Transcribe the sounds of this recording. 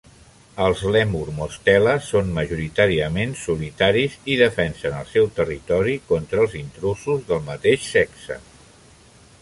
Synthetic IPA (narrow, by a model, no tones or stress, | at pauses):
əlˠzlɛmuɾmust̪ɛləsːonməʒuɾit̪aɾiəmensulit̪aɾiziðəfɛnsənə̰lˠsɛwt̪ərit̪ɔɾikɔnt̪ɾəlˠzint̪ɾusuzðəlˠmət̪eʃsɛksə̰